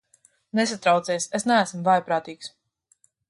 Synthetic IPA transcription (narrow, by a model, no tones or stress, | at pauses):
nes̬at̪ɾawt̪siɛsesnææsm̩vajpɾaːt̪iːks